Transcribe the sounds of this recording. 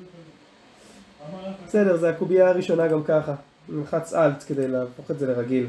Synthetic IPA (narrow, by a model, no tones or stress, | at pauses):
besedeʁzeakubiaːʁiʃo̞naɡamkaχa | nalχat͡salt̪ked̪e̞jlboχetzeleʁaɡil